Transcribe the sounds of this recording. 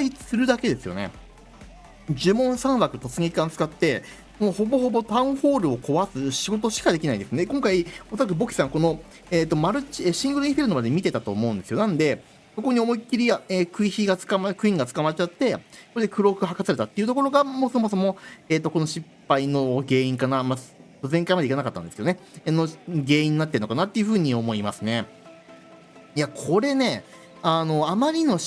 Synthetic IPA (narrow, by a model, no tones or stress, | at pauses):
ait͡sɨ̥sɨɾɯ̟d̪ake̞d̪e̞sɨjo̞̰ne̞̰ | d͡ʑɨmõ̞ɰ̃sãɰ̃βakɯ̟t̪o̞t͡sɨŋiikãnt͡sɨ̥kat̪ːe̞ | ko̞no̞ho̞boho̞bo̞t̪ãɯ̟̃ho̞ːɾɯ̟o̞ko̞βasɨɕiɡo̞t̪o̞ɕi̥kad̪e̞kʲinaĩnd̪eɨnekõŋkaiosoɾakɯ̟bo̞kʲi̥sãŋko̞no̞ | eːt̪ːo̞maɾɯ̟t͡ɕiɕĩŋɡɯ̟ɾɯɲ̟iɸeɾɯnomad̪emʲit̪e̞t̪at̪o̞̰ːmo̞ɯ̟̃nd̪e̞sɨjo̞nãnd̪e̞ | so̞ko̞ɲ̟io̞mo̞ikʲːiɾʲiaeːkɯ̟içiɡat͡sɨ̥kamakɯ̟ĩŋɡat͡sɨ̥kamaɾet͡ɕat̪ːe̞soɾed̪e̞kɯ̟ɾo̞kɯ̟ɦakasaɾe̞t̪at̪ːeiɯ̟t̪o̞ko̞ɾo̞ɡamoːso̞mo̞so̞mo̞eːt̪ːo̞ko̞noɕipːaino̞ɡe̞ːĩŋkanamat̪ːozẽ̞ŋkaimadeikanakat̪ːã̰nd̪e̞sɨjo̞nenoɡe̞ːĩɲ̟ːinat̪ːɯnokanat̪ːe̞iɯ̟ɸɯ̟ːɲ̟io̞mo̞imasɨne̞ | jakʰo̞ɾe̞ne̞ | ano̞amaɾʲino̞